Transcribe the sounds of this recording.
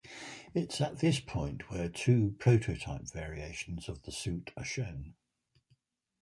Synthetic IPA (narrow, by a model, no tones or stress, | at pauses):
ɪtsəʔðɪspʰɔ̃ɪ̃nʔwətʰʉːpʰɹ̥əʊtʰəʊtʰaɪpv̥ɛːɹieɪʃə̃nz̥əvðəsʉˑtʰəʃə̃ʊ̃n